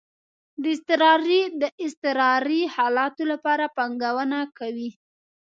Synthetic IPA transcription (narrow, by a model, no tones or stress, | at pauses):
d̪əɪst̪ɪɾɑɾid̪əʔɪst̪ɪɾɑɾihɑlɑt̪olapɑɾapaŋɡawənakawi